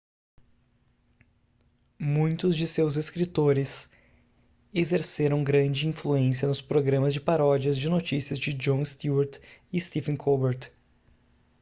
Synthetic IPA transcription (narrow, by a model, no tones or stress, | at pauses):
mũj̃t̪ʊzd͡ʒɪsewzeskɾit̪oɾɪs | ezeɾseɾɐ̃w̃ɡɾɐ̃d͡ʒɪĩfluẽsiɐnʊspɾoɡɾɐ̃mɐzd͡ʒɪpaɾɔd͡ʒiɐzd͡ʒɪnot͡ʃisiɐzd͡ʒɪd͡ʒõɪst̪uɐɾt̪ɪst̪ifẽnkʰobeɾt̪